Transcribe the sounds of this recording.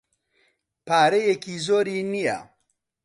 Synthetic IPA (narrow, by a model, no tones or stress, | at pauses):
paːɾejekizoːɾiːnija̰